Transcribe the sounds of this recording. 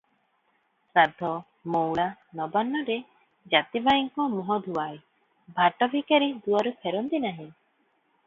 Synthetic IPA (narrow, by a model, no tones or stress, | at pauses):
sad̪ʱɔ | mowɭanɔbanːɔɾe | d͡ʒat̪ibajiŋkɔmɔɦɔd̪ʱuwaj | bʱaʈɔbʱikaɾid̪uwaɾupʰeɾɔnt̪inaɦĩ